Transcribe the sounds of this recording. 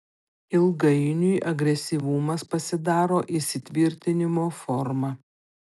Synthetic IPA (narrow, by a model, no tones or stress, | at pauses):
ɪlˠɡɐɪnʲujʔɐɡɾʲɛsʲiʋʊmɐspɐsʲɪd̪ɑːɾoːʔɪsʲɪt̪ʲʋʲɪɾʲt̪ʲɪnʲɪmoːfɔɾmɐ